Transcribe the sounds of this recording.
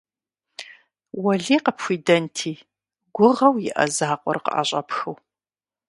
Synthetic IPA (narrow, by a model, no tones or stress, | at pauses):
wɐɮiːqəpʰxʷiːdɐntʰiː | ɡʷʊʁɐwjɪ̰ʔɐ̰zaːqʷʼɔ̰rqə̰ʔɐ̰ɕʼɐpxɨw